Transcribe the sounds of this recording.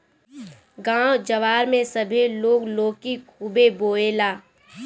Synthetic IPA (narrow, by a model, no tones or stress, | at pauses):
ɡãːwd͡ʒɐʋaːɾmẽsəbʱiloːɡloːkikʰubeboːeːlaː